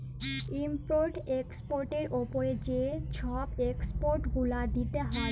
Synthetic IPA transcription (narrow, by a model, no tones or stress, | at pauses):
impoɾʈekspoɾʈeɾopoɾed͡ʑeʃʰɔbekspoɾʈɡulad̪it̪eɦɔ